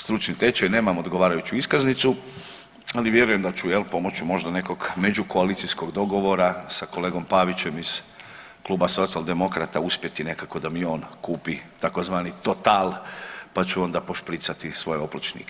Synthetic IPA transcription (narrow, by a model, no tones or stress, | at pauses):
st̪ɾut͡ʃnit̪e̞t͡ʃajne̞ːmamod̪ɡoʋaːɾajut͡ɕuiskaznit̪su | aliʋje̞ɾuje̞md̪at͡ʃujelpo̞mo̞t͡ɕumo̞ʒd̪ane̞ko̞ɡme̞d͡ʑuko̞alit̪sisko̞ɡd̪o̞ɡo̞ʋo̞ɾasako̞leːɡo̞mpaʋit͡ɕe̞miz̥ | klˠuːbaso̞t̪sialˠd̪e̞mo̞kɾat̪auspje̞t̪ine̞kako̞d̪amio̞ːnkuːpit̪ako̞zʋaːnit̪o̞t̪aːlpat͡ɕuo̞nd̪apo̞ʃpɾit̪sat̪isʋo̞jeoplot͡ʃnḭke